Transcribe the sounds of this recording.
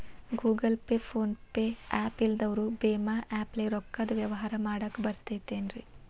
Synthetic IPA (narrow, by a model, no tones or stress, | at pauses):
ɡuːɡɐlpeːpʰoːnpeaːpild̪ɐʋɾubeːmaʔæːpleɾɔkːɐd̪uʋjɐʋɐɦaːɾɐmaːɽɐkːbɐɾt̪et̪eːnɾi